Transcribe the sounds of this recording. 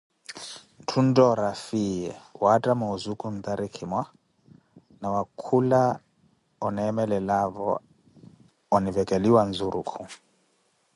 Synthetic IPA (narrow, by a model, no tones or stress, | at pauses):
ntʰundɔɾafijɛwatʼamɔzukʼun̩d̪aɾikʰimwa | nawakʰula | ɔnɛmɛlɛlaβɔ | ɔnivɛkʼɛliwand͡zuɾʔukʰu